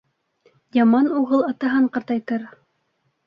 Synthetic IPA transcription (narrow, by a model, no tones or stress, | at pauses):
jɑmɑnuʁɤlˠɑt̪ɑɦɤɴqɑ̆ɾt̪ɑjt̪ɤɾ